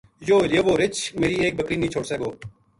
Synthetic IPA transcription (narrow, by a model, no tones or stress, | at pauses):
joːleːʋoːɾɪt͡ʃmeːɾiːeːk̚bəkɾiːnĩːt͡ʃʰoːɽseːɡoː